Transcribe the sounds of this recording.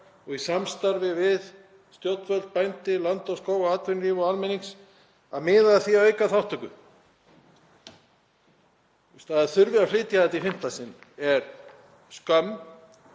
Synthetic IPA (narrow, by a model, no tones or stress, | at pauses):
ɔɣisamst̪aɾvɪvɪð | st̪jowt̪nvœlt̪̚pajnt̪ɪlant̪ɔɣskoːwɣaaːt̪vɪnɾivɔalmɛniŋs | aðmɪːðaθiaœːɥjkaθawht̪ʰœkʏ̰ | ust̪aðaθʏɾvɪaflɪːt̪jaðɛt̪ifɪm̥t̪lasɪnɛɾ | skœmː